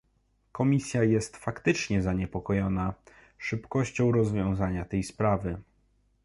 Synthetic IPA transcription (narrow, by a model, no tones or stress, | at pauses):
kɔmʲisʲjajɛst̪fakt̪ɘt͡ʂɲɛzaɲɛpɔkɔjɔna | ʂɘpkɔɕt͡ɕɔ̃w̃ɾɔzvʲjɔ̃w̃zaɲat̪ɛjspɾavɘ